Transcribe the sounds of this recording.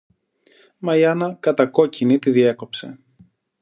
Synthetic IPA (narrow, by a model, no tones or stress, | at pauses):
mɐiɐnɐkɐt̪ɐko̞cinit̪iðie̞ko̞pse̞̰